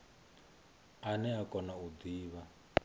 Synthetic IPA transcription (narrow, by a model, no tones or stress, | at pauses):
anɛakɔnaud̪iːβa